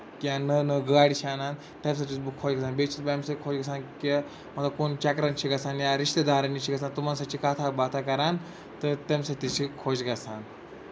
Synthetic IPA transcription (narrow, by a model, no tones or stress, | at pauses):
kiãnənəɡəaɽiɕanan | t̪ẽms̬at̪it͡sbukʰːod͡ʑɡɐsaːnbet͡ʃʰit̪bamsəikʰod͡ʑɡɐsanke | mɐt̪ːakont͡ɕakɾant͡ɕʰiɡɐsanjaɾiʂt̪əd̪aɾanːit͡ɕʰiɡɐsant̪umansat͡ɕiːkat̪ʰabat̪ʰakɐɾan | t̪əɾt̪emsat̪it͡ɕʰikʰod͡ʑɡɐsan